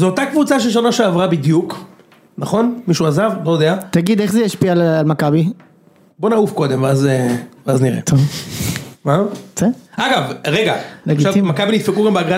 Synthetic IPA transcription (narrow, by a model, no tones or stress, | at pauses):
zeot̪akvut͡saʃ̬eʃ̬onaʃeavʁabid̪juk | naχo̞nmiʃuazavlojod̪eat̪aɡid̪e̞χzejaʃpialalmakabi | bo̞naufko̞d̪emveazeveazniʁḛt̪o | maz̥eʔaɡavʁeɡaleɡitʃavimakabinid̪fekuɡambeaɡʁa